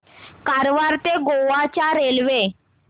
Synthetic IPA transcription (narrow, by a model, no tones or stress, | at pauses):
kaɾʋaɾt̪eɡoʋat͡ɕaɾelʋe